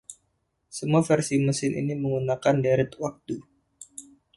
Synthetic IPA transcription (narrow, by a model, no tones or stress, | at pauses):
səmuafɛrsiməsɪnʔḭniməŋunakandɛɾɪt̪wak̚t̪u